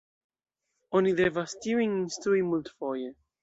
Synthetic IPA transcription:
ɔniðɛvast̪iwĩŋĩnst̪uimult̪fɔjə

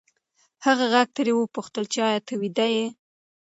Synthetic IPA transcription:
haɣaɣaɡ̚t̪əɾewəpuxt̪əlt͡ʃeɑjɑt̪ʰəwid̪aje

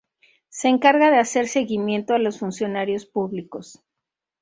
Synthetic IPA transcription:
se̞ːŋkaɾɣaðe̞ase̞ɾseɣimjẽ̞nt̪oalo̞sfunsjo̞naɾjo̞spuβliko̞s

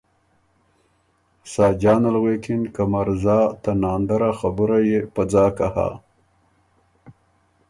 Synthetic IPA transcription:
sɑːd͡ʒɑːnalɣwekɪnkamaɾzɑːt̪anɑːnd̪aɾaxabʊɾajepad͡zɑːkaha̰

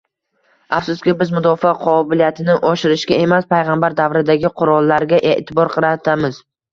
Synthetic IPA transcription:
afsʊst̪kʲɪbɪzmʊd̪ɒfaqʰɒbɪlijat̪ʰɪnɪʔɒʃɪɾɪʃkʲae̞maspʰajʁambaɾd̪avɾɪd̪aɡʲɪqʰʊɾɒlˠːaɾɡʲaʔe̞ʔt̪ʰɪbɒɾqʰɨɾat̪ʰamɪz̥

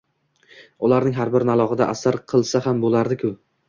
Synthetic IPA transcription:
ʊlaɾnɪŋɦaɾbɪɾnalˠɒʁɨd̪aʔasaɾqʰɨlˠsaɦambolˠaɾd̪ɪkʰʊ

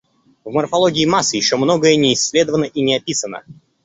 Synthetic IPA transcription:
vmərfɐlˠoɡʲɪːmasːɨjɪɕːo̞mno̞ɡəjənʲɪːsʲːlʲed̪əvənəʔinʲɪɐpʲisənə̰

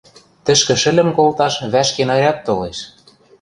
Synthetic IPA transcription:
t̪ɘ̆ʃkɘ̆ʃɘ̆lʲɘ̆mkolt̪ɑʃβæʃkenɑjɑt̪ːoleʃ

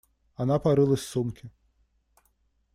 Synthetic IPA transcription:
anapaɾɨlˠɐsʲsumkʲʰɪ

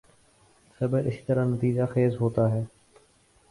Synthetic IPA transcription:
səbəʔɪsi̥ːt̪əɾanət̪iːd͡ʒaxeːzɦoːt̪aːɦɛː

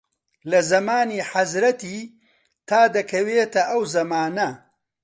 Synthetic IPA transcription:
lɐzɐmaːniːħɐzɾɐt̪iː | t̪ʰaːd̪ɐkʰɐweːt̪ɐʔɐwzɐmaːnɐ

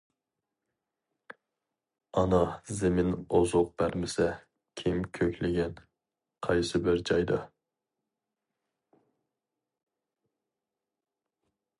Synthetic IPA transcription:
ɑnɑzemɪnozʊq̚b̥æɾmɪsɛ | kʲʰimkʲʰøkʲlɪɡʲɛn | qʰɑjsɨbɪɾd͡ʒɑjd̪ɑ

